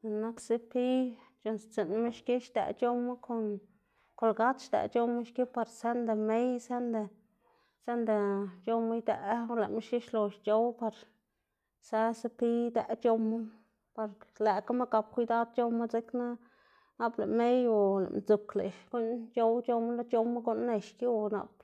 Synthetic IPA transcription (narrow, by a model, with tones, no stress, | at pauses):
na˦kse˦pi˦ | t͡ʃo˧nst͡se˨nmi˦ʃki˦ʃd̪æ̰˨t͡ʃo˦mːa˦ko˨n | ko˨lɡa˦t̪ʃd̪a̰˨t͡ʃo˦ma˦ʃki˦pa˧ɾse˦nd̪e˨me˦jse˦nd̪e˨ | se˦nd̪e˨t͡ʃo˧ma˦jd̪æ˨˦la˨mi˦ʃki˦ʃlo˧ʃt͡ʃo˦wpa˧ɾ | sa˧se˦pi˦d̪æ˧ʔt͡ʃo˧ma˦ | pa˧ɾlæ˨ka˦me˦ka˧p̚kʷi˧˦d̪a˦d̪̚t͡ʃo˧ma˦ze˦kna˦ | na˦ble˨me˦jo˨la̰˨nd͡zu˨kle˨ko˦nt͡ʃo˦wt͡ʃo˧ma˦la˦t͡ʃo˧mːa˦ɡo˦nːe˧ʃki˦wna̰˧p